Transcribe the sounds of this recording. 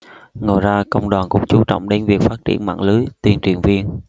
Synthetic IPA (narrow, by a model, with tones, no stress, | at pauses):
ŋo˨˩jzaː˧kə̰˧wŋ͡mɗwaː˨˩nkʊ̰˧˥ŋ͡mt͡ɕu˨˦t͡ɕɔ̰˧˨wŋ͡mɗe˨˦nvi˨˩ək̚faː˦˥t̚t͡ɕḭ˧˩ənma̰ː˧˨ŋlɨ˨˦t̪wi˧˩ənt͡ɕwi˨˩ənvi˧ən